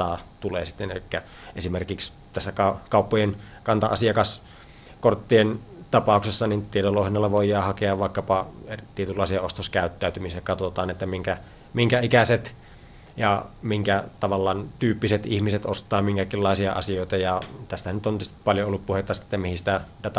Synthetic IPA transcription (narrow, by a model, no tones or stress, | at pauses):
ɑːt̪uleːsi̥t̪ːenḛlikːæ | ʔesimerkiks | t̪æsːækɑkɑˑupːojen | kɑnt̪ɑɑ̰siɑkɑs | kort̪ːient̪ɑpɑˑuksesːɑnint̪ietoloˑhinɑlːɑʋoijːˑɑːhɑkeɑʋʋɑˑikːɑpɑet̪iet̪ylːɑˑisiɑost̪oskæˑyt̪ːæˑyt̪ymisekɑt̪ot̪ɑːnet̪ːæmiŋkæ | miŋkæikæset̪ | jɑmiŋkæt̪ɑʋɑlːɑːnt̪yːpːiset̪ihmiset̪ost̪ˑɑːmiŋkækilːɑˑisiɑ̰ʔɑ̰sioˑit̪ɑjɑt̪æst̪ænyt̪ont̪yst̪i̥pɑljoolːuppuhet̪ːɑsi̥t̪ːemihisi̥t̪æit̪æt̪æ